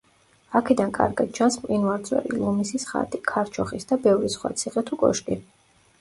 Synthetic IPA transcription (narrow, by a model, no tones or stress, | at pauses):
akʰɛd̪ankʼa̰ɾɡad̪̚t͡ʃʰansmqʼinwaɾzʼwɛ̰ɾḭlˠɔmisisχa̰t̪ʼikʰaɾt͡ʃʰɔχisd̪abɛvɾisχwa̰t̪sʰiχʼɛt̪ʰukʼɔ̰ʃkʼi